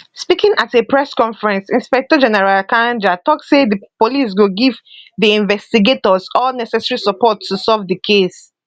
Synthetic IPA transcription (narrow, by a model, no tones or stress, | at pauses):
spikĩŋʔatepɹɛskɔ̃nfɹɛ̃nsĩnspɛk̚tɔd͡ʒɛnɛɹalakãnd͡ʒatɔksedəpolis̬wɪɡivðiĩnvɛstiɡetɔzɔlnɛsɛsəɹisəpɔtʰːusɔvðəkʰes